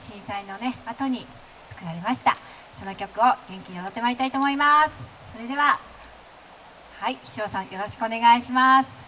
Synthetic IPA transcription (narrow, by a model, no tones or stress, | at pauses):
ɕĩɰ̃saino̞ne̞at̪o̞ɲ̟i | t͡sɨ̥kɯ̟ɾaɾe̞maɕi̥t̪a̰ | so̞no̞kʲo̞kɯ̟o̞ɡ̥ẽ̞ŋkʲiɲiod̪ot̪ːemaɾʲit̪ait̪o̞ːmo̞imasɨ̥ | so̞ɾe̞d̪e̞βa | haiçi̥ɕo̞ːsãɰ̃jo̞ɾo̞ɕi̥kɯo̞ne̞ɡaiɕimasɨ̥